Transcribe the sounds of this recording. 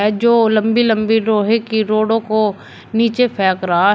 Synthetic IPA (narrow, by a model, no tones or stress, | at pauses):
ɛd͡ʒoːlɐ̃mbilɐ̃mbiɾoːɦekiɾoːɽõko | niːt͡ʃepʰɛːkɾɐɦa